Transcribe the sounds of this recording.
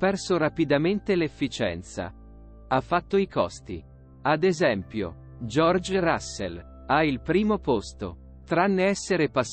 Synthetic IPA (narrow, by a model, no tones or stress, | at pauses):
pɛrsoɾapid̪ament̪elefːit͡ʃɛ̰nt̪sa̰ | afːat̪ːoikɔst̪i | ad̪ezɛmpjo̰ | d͡ʒɔrd͡ʒrasːḛl | ailpɾiːmopost̪o̰ | t̪ɾanːeɛsːeɾepas